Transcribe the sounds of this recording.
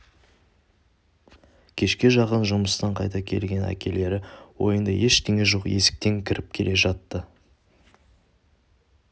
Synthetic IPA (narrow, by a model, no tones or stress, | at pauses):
kʲʰe̞ʃkʲe̞ʒɑqənʒʊməst̪ɑɴqʰɑjt̪ɑkʲʰe̞̰lɡʲe̞næ̰kʲʰe̞le̞ɾɪwo̞̰jənd̪ɑje̞ʃt̪ʲeŋeʒo̞qje̞sɪ̥k̚t̪e̞ŋkʲʰɪɾɪp̚kʲʰe̞le̞ʒɑt̪ːə